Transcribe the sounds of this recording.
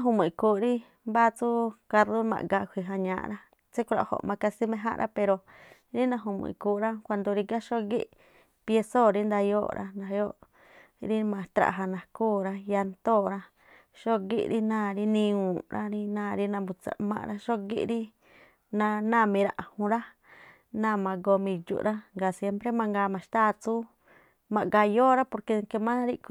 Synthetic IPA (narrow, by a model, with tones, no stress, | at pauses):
ã˦ɦu˧mũ˨kuː˨˧˨ɾi˦ | mba˦t͡su˦ka˧ɾðo˦mã̰˧ɡa˧kʷi˨ɦa˧ɲã̰ː˧˨ɾa˦ | t͡se˦ku˧ɾa̰˧˨ho̰˨ʔmã˧ka˧si˦mẽ˧ɦã̰˦ʔɾʔa̰˦pe˧ɾo˧ | ɾi˦nã˧ɦũ˧mṵ̃˧i˨kuː˧ɾa˦kʷa˧nd̪o˧ɾi˧ɡa˦ʃo˦ɡḭ˦ʔ | pje˧so˦˨ɾi˦nd̪a˧jo̰ː˦˨ɾʔa̰˦nã˧jo˦ʔ | ɾi˦mã˧˨t̪ɾa̰˨ɦa˧nã˨kuː˦˨ɾa˧ja˧nt̪o˦˨ɾa˦ | ʃo˦ɡḭ˦ɾi˦nãː˦˨ɾi˦nĩ˧ũ˨ɾʔa̰˦ɾi˦nãː˦˨ɾi˦nã˧mbu˧t͡sa̰˨mã̰˧ɾa˦ʃo˦ɡḭ˦ʔɾi˦ | nã˧nã˦˨mĩ˧ɾa˧ʔã˨hũ˧ɾa˦ | nã˦˨mã˧ɡo˧mĩ˧˨d͡ʒṵ˧ɾa˦ŋɡa˨sje˦mpɾe˦mã˧ŋɡaː˧˨mã˨ʃt̪aː˦˨t͡su˦ | mã˧˨ɡa˧joː˦ɾa˦po˧ɾke˧ke˧mã˦ɾi˦˧k